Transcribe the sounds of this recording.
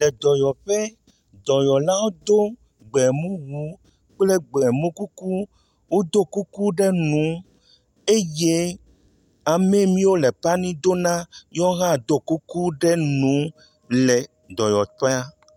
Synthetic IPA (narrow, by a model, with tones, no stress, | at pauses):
lɛ˨d̪ɔ˨jɔ˨ɸe˦ | d̪ɔ˨jɔ˨la˦wo˦d̪o˦ | ɡ͡bɛ˨mũ˦wu˨˦ | k͡ple˦ɡ͡bɛ˨mũ˦ku˦ku˦ | wo˦d̪o˦ku˦ku˦ɖɛ˦nũ˨˦ | e˦je˦ | a˨mɛ˦mĩ˦wo˦le˨pa˦nĩ˦d̪o˦nã˦jɔ˦ɣã˦˨d̪o˦ku˦ku˦ɖɛ˦nũ˨˦ | lɛ˨ | d̪ɔ˨jɔ˨t̪e˦a˦